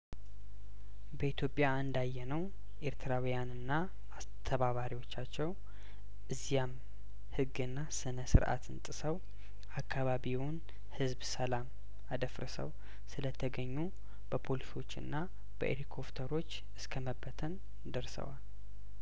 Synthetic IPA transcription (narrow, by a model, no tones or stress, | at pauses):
bəit̪ʰjo̞pʼːjaɨnd̪ajːɛnəw | ʔe̞ɾt̪ʰɨɾawijanɨnːa | ast̪ʰəβaβaɾiwo̞t͡ʃːat͡ʃːɛw | ʔɨzːijam | hɨɡːɨnːasɨnəsɨ̰ɾʔa̰t̪ʰɨnt̪ʼɨsəw | ʔakʰːaβaβiwn | hɨzbsəlam | ad̪əfɾɨ̰sə̰w | sɨlət̪ʰəɡəɲːu | b̥əpʰo̞liso̞t͡ʃːɨ̰nːa | b̥ə̰ʔḛɾikʰo̞pt̪ʰəɾo̞t͡ʃː | ɨskʰəməbːət̪ʰən | d̪əɾsə̰wal